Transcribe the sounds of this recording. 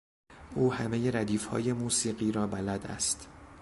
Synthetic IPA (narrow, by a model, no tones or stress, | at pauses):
ʔuːhæme̞je̞ɾæd̪iːfhɒ̰ːje̞muːsiːɢiːɾɒːbælæd̪æ̰st̪